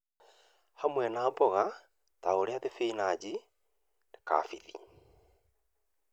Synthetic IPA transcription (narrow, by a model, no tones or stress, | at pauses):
hamwɛnaːbɔɣa | taoɾeaðefeinad͡ʑi | ne̥ka̰ːfiðḭ